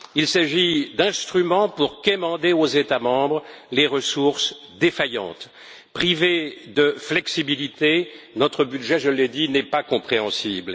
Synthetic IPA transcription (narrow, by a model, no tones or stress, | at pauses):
ilsaʒid̪ɛ̃st̪χymɑ̃puʁkemɑ̃d̪eozet̪amɑ̃bʁleʁəsuʁs | d̪efajɑ̰̃t̪ | pχived̪əflɛksibilit̪e | nɔt̪χəbyd̪ʒɛʒəlɛd̪inɛpakɔ̃pχeɑ̃sibl